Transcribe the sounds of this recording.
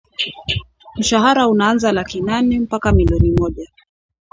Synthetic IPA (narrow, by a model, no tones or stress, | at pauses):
m̩ʃaɦaɾaunaanzalakinanɛm̩pakamiliɔnimɔʄa